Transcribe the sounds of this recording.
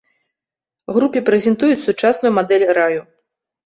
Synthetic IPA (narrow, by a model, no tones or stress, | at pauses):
ɣɾupʲipɾɛzʲɛnt̪ujut͡sʲsut͡ʂasnujumad̪ɛlʲɾaju